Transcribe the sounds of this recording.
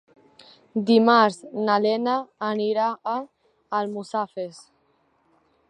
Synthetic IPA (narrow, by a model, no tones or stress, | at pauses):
d̪imaɾznalenaːniɾaː | lmusafes